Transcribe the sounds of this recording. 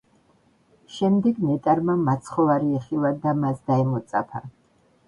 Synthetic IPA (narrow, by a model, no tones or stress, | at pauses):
ʃɛmd̪ɛɡnɛt̪ʼaɾmamat̪sʰχɔvaɾiɛχilad̪amasd̪aɛmɔt̪sʼa̰pʰa̰